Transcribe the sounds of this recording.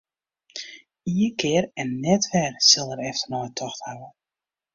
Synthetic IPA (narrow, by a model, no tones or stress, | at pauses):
iəkɪərɛnːɛtfɛrsɪlˠəɾɛftərnɔjətʰɔxthawə